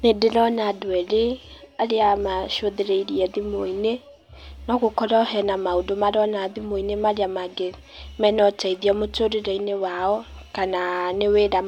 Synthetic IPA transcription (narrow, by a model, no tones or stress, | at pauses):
nedeɾɔnadwɛɾeaɾeamaʃoðeɾeiɾiɛðimoine | nɔɣokɔɾaɔɦɛnamaodomaɾɔnaðimoinemaɾeamaɡe | mɛnɔtaiðiɔmotoɾeɾainewaɔ | kananeweɾa